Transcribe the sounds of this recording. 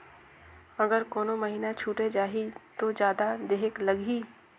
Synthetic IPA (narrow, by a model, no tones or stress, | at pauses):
ɐɡəɾkoːnõmɐɦiːnat͡ʃʰuːʈed͡ʒaːɦit̪od͡ʒjaːd̪ad̪eːɦeklɐɡʱiː